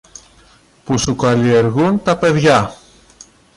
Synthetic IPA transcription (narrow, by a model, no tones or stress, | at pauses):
pusukɐlie̞ɾɣunt̪ɐpe̞ðʝɐ